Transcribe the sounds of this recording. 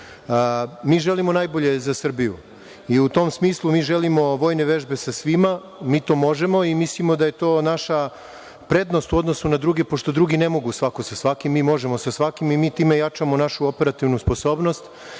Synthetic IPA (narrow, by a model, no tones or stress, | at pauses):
miːʒe̞limo̞najbo̞ʎe̞zasr̩biju | iut̪o̞msmiːslˠumiːʒelimo̞ʋo̞ːjne̞ʋeʒbe̞sasʋima | miːt̪o̞ːmo̞ʒe̞mo̞imislimo̞d̪aje̞t̪o̞ːnaʃa | pɾe̞d̪no̞st̪uo̞d̪nosunad̪ɾuːɡe̞po̞ʃt̪o̞d̪ɾuːɡine̞mo̞ɡusʋakosasʋakimːiːmo̞ʒe̞mo̞sasʋakimimiːt̪iːme̞jat͡ʂamo̞naʃuope̞ɾat̪iʋnuspo̞so̞ːbno̞st̪